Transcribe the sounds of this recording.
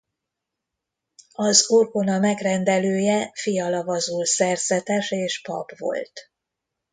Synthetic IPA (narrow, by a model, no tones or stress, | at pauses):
ɒzorkonɒmɛɡrɛnd̪ɛløːjɛfijɒlɒvɒzulsɛrzɛt̪ɛʃeːʃpɒ̰bvo̞̰lt̪